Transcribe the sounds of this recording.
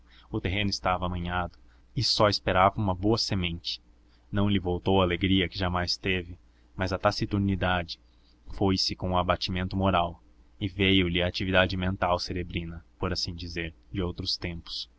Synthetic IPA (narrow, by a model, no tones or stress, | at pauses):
ʊt̪eɦẽnʊɪst̪avɐaːmɐ̃ɲad̪ʊ | ɪsɔɪspeɾavɐũmɐboɐsemẽnt͡ʃɪ̥ | nɐ̃w̃lɪvowt̪owɐːleɡɾiɐkɪʒamajst̪evɪ | mɐzɐt̪asit̪uɾnid̪ad͡ʒɪ | fojsɪkõʊabat͡ʃimẽnt̪ʊmoɾaw | ɪvejʊlɪɐːt͡ʃivid̪ad͡ʒɪmẽnt̪awseɾebɾĩnɐpoɾasĩd͡ʒizeɾd͡ʒɪowt̪ɾʊst̪ẽmpʊ̥s